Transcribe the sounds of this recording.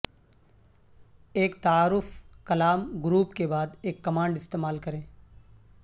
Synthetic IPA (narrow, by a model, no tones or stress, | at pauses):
eːkt̪aaːɾʊfkɐlaːmɡɾuːpkebaːd̪eːkːɐmãːɳɖɪst̪eːmaːlkɐɾẽː